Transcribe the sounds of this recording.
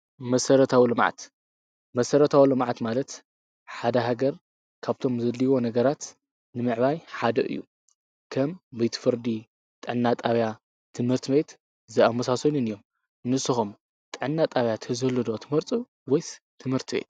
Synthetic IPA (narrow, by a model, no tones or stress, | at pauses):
mɐsɐɾɐt̪ʰawilɨmʕa̰t̪ | mɐsɐɾɐt̪ʰawilɨmʕat̪malɐt̪ | ħad̪ɐɦaɡɐɾ | kʰaβt̪ʰo̞mzɐlːiwo̞nɐɡɐɾat̪ | nɨmɨʕβajħad̪ɐ̰ʔɨ̰jːṵ | kʰɐmbejt̪ʰɨ̥fɨɾd̪i | t̪ʼɨʕnːat̪ʼaβja | t̪ʰɨmhɨɾt̪ʰɨβet̪ | zɨamɐsasɐnunɨjːo̞m | nɨsːɨxum | t̪ʼɨʕɨnːat̪ʼaβjat̪ʰɐzɨhlɨd̪o̞t̪ʰɨmhɨɾt͡sʼu | wɔjst̪ʰɨmhɨɾt̪ʰɨbḛt̪